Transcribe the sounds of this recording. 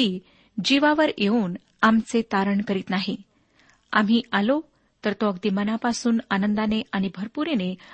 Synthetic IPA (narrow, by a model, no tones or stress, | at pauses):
iː | d͡ʑiʋaʋəɾjeuːn | amt͡set̪aɾəɳkəɾiːt̪naɦi | a̰m̤iːʔalo | t̪əɾt̪oəɡd̪imənapasuːnanənd̪aneaɽ̃ibʱəɾpuɾene